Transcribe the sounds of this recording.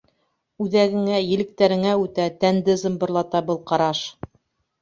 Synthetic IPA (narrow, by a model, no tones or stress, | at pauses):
ʉðæɡɘ̆ŋæjɘ̆lɘ̆k̚t̪æɾɘ̆ŋæʉt̪æt̪ænd̪ɘzɤmbɤ̆ɾlˠɑt̪ɑbɤlˠqɑɾɑʃ